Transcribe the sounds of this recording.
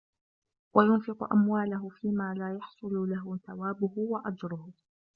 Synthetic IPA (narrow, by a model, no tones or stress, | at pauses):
wajʊnfɪqʊ̰ʔa̰mwaːlaɦʊfiːmaːlaːjɑħsˤʊlʊlaɦʊθawaːbʊhʊwaʔad͡ʒɾʊhʊ